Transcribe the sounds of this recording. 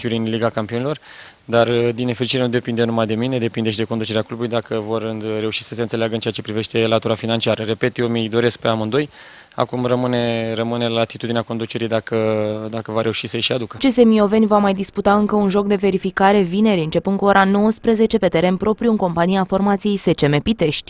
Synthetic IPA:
t͡ʃuɾinliɡakampionelo̞r | d̪ard̪inefɾit͡ʃiɾe̞nud̪e̞pind̪enumajd̪e̞mine̞d̪e̞pind̪eʃid̪e̞kond̪ut͡ʃe̞ɾeaklubulujd̪akəvo̞rɨːeuʃi̥səse̞ɨnseeaɡəɨnt͡ʃeat͡ʃe̞pɾive̞ʃt̪e̞lat̪uɾafinant͡ʃiaɾəɾe̞pe̞t̪jemijd̪o̞ɾe̞sk̚peamɨnd̪o̞j | a̰kumrəmɨne̞rəmɨnelat̪it̪ud̪ineako̞nd̪ut͡ʃe̞ɾijd̪akəd̪akəvaɾe̞uʃisəjʃiad̪ukət͡ʃe̞se̞mio̞ve̞nʲvamajd̪isput̪aɨŋkəunʒo̞k̚d̪e̞ve̞ɾifikaɾe̞vine̞ɾiɨnt͡ʃe̞pɨnd̪kuo̞ɾʔano̞wəspɾəze̞t͡ʃe̞pe̞t̪e̞ɾe̞npɾo̞pɾijuɨŋko̞mpanijafo̞rmat̪sijejse̞t͡ʃe̞me̞pit̪e̞ʃt̪ʲ

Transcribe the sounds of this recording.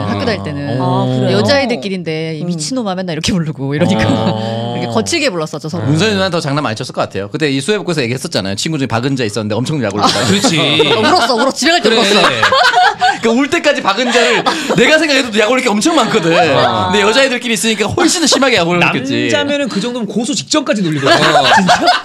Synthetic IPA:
hak͈edaɭt͈e̞nɯnjʌd͡ʑaidɯɭk͈iɾinde̞imit͡ɕʰinomamjʌnːaiɾʌkʰe̞puɭːɯɡoiɾʌɲik͈akɯɾʌkʰekʌt͡ɕʰiɭɡe̞boɭːas͈ʌt͡ɕ͈ʰʌsʰʌɾomunsʰʌnanntʌt͡ɕaŋnama̰ɲit͡ɕʰʌs͈ɯɭk͈ʌk͈atʰe̞jokɯt͈e̞isʰue̞bok͈oesʰʌjeɡeɦes͈ʌt̚t͡ɕ͈ana̰jo̰t͡ɕʰinɡud͡ʑuŋepaɡɯnd͡ʑais͈ʌnːɯnde̞ʌmt͡ɕʰʌŋdoja̰ɡoɭ͈aɯɾt͡ɕʰiuɾʌs͈ʌuɾʌst͡ɕibe̞kaɭt͈eoʌʌ | kɯuɭt͈e̞k͈ad͡ʑipaɡɯnd͡ʑaɾɯɭne̞ɡasʰe̞ŋɡakʰedodojaɡoɭːɯk̬͈ʰeʌmt͡ɕʰʌŋmankʰɯdɯɯndejʌd͡ʑaedɯɭk͈imiːs͈ɯɲik͈ahoɭɕ͈inɯɕʰimaɡejaɡoaket͡ɕ͈id͡ʑamjʌnɯnkɯd͡ʑʌŋdomɯnkosʰut͡ɕi̥k̚t͡ɕ͈ʌmk͈ad͡ʑinoʎːidt͡ɕint͡ɕa

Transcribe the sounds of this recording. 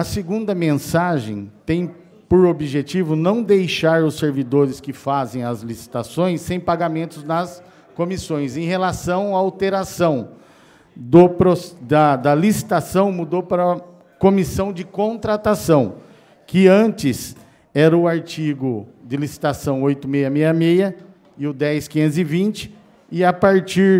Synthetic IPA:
ɐsɪɡũnd̪ɐmẽsaʒẽj̃t̪ẽj̃ | poɾobiʒet͡ʃivʊnɐ̃w̃d̪ejʃaɾʊseɾvid̪oɾɪskɪfazẽj̃ɐzlisi̥t̪asõj̃sːẽj̃paɡamẽnt̪ʊznɐs | kõmisõj̃sẽj̃ɦelasɐ̃w̃aawt̪eɾasɐ̃w̃ | d̪ʊpɾosd̪ɐd̪ɐlisi̥t̪asɐ̃w̃mud̪opɾɐ | komisɐ̃w̃d͡ʒɪkõt̪ɾat̪asɐ̃w̃ | kɪɐ̃nt͡ʃɪs | ɛɾɐʊaɾt͡ʃiɡʊd͡ʒ̪ɪlisi̥t̪asɐ̃w̃ojt̪ʊmejɐmejɐmejɐ | ɪʊd̪ɛjskĩzɪvĩnt͡ʃɪ̥ | ɪapaɾt͡ʃiɾ

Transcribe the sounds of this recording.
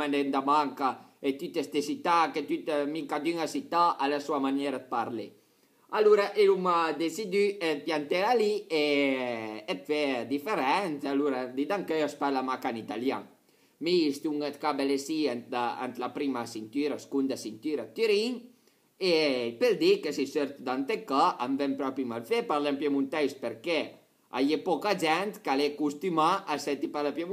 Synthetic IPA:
anend̪amaŋka | et̪yt̪est̪esit̪aket̪yt̪miŋkad̪yŋasit̪aʔalasuamanjeɾad̪̚paɾle | aluɾaʔelumad̪esid̪yet̪iant̪elalie | et̪fɛd̪ifeɾɛnt̪aluɾad̪id̪aŋkøaspalamakanit̪alja̰ŋ | miist̪iuŋet̪kabelesient̪aa̰nt̪lapɾimasint̪yɾaskund̪asint̪yɾat̪yɾiŋ | epeld̪ikesiseɾt̪d̪ant̪ekaʔambempɾɔpimalfepaɾlempjemunt̪ɛjspeɾke | a̰jepɔkad͡ʒɛnt̪kalekust̪ymaʔːset̪ipalepjemu

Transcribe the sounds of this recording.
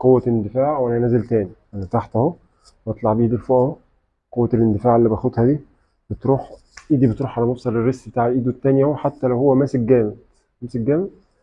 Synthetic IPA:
qowːæend̪efæːʕwʔænæænæːzelt̪æːniʔænæt̪aħt̪æho | bɑt̪ˤlɑʕbiʔiːd̪ilfoʔ | qowːælend̪efaːʕelːiːbæxod̪hæd̪i | b̥et̪ɾuːħ | ʔiːd̪ibet̪ɾuːħʕalæmɑbsˤɑlerːesbet̪aːʕelʔiːd̪ut̪ːæːnjæhoħat̪ːælæwhowːæmæːsek̚ɡæːme | æmæsek̚ɡæːme

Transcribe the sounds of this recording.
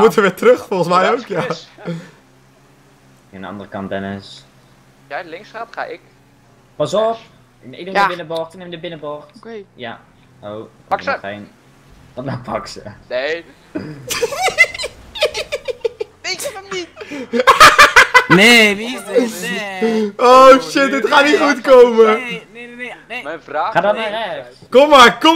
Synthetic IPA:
əmutəʋɪːtrøχfɔlˠχəsmɛjowkja | əndəɑ̰ndərəkɑntbɛnəs | jalɪŋsatχa̰ːʔɪk | pɑsɔp | nɪk̚nebɪnəbɔχtnemdəbɪnəbɔxtja̰ | owen | kɔapɑksə̰e | eni | nei | oʃɪtətχaːtniχutkowmə | aːχaːdɔtmaɾɛx | kɔmːaɹkɔ

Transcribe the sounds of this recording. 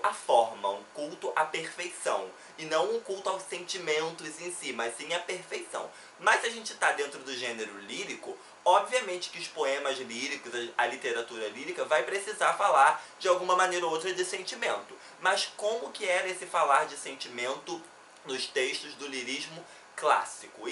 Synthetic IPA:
ɐfɔɾmɐʊ̰̃kuwt̪ʊʔɐpeɾfejsɐ̰̃w̃ | ɪnɐ̃w̃ʊ̃kuwt̪ʊawsẽnt͡ʃimẽnt̪ʊzẽsimɐssĩɐpeɾfejsɐ̰̃w̃ | mɐʃsiɐʒẽnt͡ʃɪ̥t̪ad̪ẽnt̪ɾʊd̪ʊʒẽneɾʊliɾikʊ | ɔbviɐmẽnt͡ʃɪ̥kɪʊʃpoẽmɐzliɾikʊzɐɐlit̪eɾat̪uɾɐliɾikɐvajpɾesizaɾfalaɾd͡ʒɪawɡũmɐmɐ̃nejɾɐowt̪ɾɐd͡ʒɪsẽnt͡ʃimẽnt̪ʊ | mɐskõmʊkɪɛɾɐesɪfalaɾd͡ʒɪsẽnt͡ʃimẽnt̪ʊ | nʊʃt̪eʃt̪ʊzd̪ʊliɾiʒmʊ | kla̰sikʊ

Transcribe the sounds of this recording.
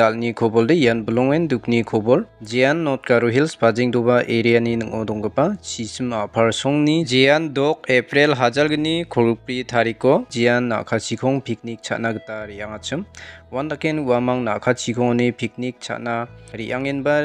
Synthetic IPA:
dalnikʰɔbɔldeijanbulɔŋenduk̚nikʰɔbɔld͡ʒejanːɔt̚kaɾɔɦilsbad͡ʒiŋdɔbaʔeɾijaninɯŋɔdɔŋɡapasisɯmapʰaɾsɔŋnid͡ʒejandɔk̚epɾelɦazalɡɯnikʰɔɡpɾitʰaɾikɔd͡ʒijanːa̰kʰasikʰɔŋpʰik̚nik̚t͡ʃʰa̰tnaɡɯtaɾiaŋat͡ʃɯmwandakenuamaŋnakʰasʰikʰɔŋanipʰik̚nik̚sʰa̰ʔ̚naɾiʔaŋenba

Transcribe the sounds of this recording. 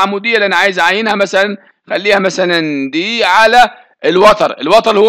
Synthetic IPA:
amud̪ijːælːiʔænaʕaːjɪzʕajːɪnhæmæsælæn | xælːiːhæmæsælænd̪iːʕalæ | ɪlwɑt̪ˤɑɾˤɪ̰lwɑt̪ˤɑɾhʊ

